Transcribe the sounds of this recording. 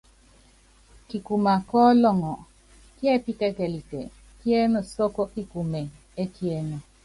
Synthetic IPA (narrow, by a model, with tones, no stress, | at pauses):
ki˨ku˨ma˨kɔ˦lɔ˦˨ŋɔ˨ | kjɛ˦pi˦tɛ˦kɛ˨li˨tɛ̰˨ | kje˦nɔ˨so˦ko˦ki˦ku˨me˨ | e˦kje˦nɔ˨